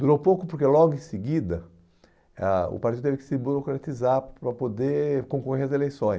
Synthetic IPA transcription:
d̪uɾowpokʊpoɾkelɔɡʊẽsɪɡid̪ɐ | aʊ̰paɾt̪id̪t̪evɪkɪ̥sɪboɾokɾat̪izaɾpɾɐpod̪ekõkoheɾɐzelejsõj̃

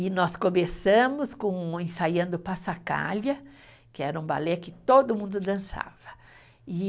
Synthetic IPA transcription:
ɪnɔskomesɐ̃mʊskõẽsajɐ̃nd̪ʊpasaka̰ʎɐ | kɪɛɾɐũba̰lɛkɪt̪od̪ʊmũnd̪ʊd̪ɐ̃sa̰vɐ̥ | ɪ

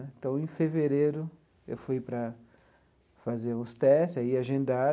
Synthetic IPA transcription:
t̪ɐ̃w̃ẽfeveɾeɾʊ | ḛwfujpɾɐ | fazeɾũst̪ɛsaiaʒẽnd̪a

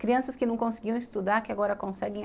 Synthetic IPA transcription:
kɾiɐ̃sɐskɪnɐ̃w̃kõsɪɡiɐ̃w̃ɪst̪ud̪aɾkɪaɡɔɾɐkõsɛɡẽ

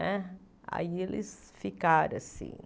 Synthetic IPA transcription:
ɛ | a̰ielɪs | fikaɾ̰̃asḭ̃

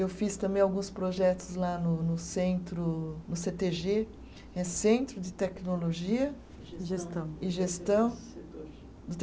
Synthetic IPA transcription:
ewfist̪ɐ̃bẽj̃awɡũspɾoʒɛt̪ʊzlanʊnʊsẽnt̪ɾʊnʊset̪eʒe | ɛsẽnt̪ɾʊd͡ʒɪt̪ɛknoloʒiɐ | ʒest̪ɐ̃w̃ɪʒest̪ɐ̃w̃ | d̪ʊt̪

